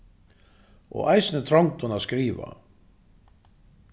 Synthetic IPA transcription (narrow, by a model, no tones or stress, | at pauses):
ɔ̰ɣajsɪnɪt̪ʰɾɔwŋt̪hɔnaskɾiːva̰